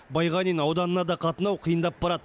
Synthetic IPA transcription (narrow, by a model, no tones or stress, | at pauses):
bɑjʁɑninɑwd̪ɑnənɑd̪ɑqʰɑt̪ənɑwqʰəjənd̪ɑp̚bɑɾɑd̪ə